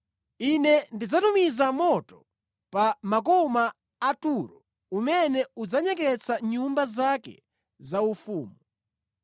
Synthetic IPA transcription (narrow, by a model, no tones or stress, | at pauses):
inɛndid͡zatumizamɔtɔ | pamak̬ɔmaː | tuɾɔ | umɛnɛud͡zaɲɛk̬ɛt͡sʰaɲumbazakɛ̰ | zaufṵːmu